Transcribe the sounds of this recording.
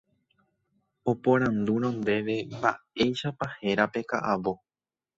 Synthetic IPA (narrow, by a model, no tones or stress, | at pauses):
o̞põ̞ɾ̃ãnd̪uɾ̃õnd̪e̞ʋe̞mba̰e̞jʃapahe̞ɾape̞ka̰ʔaʋo̞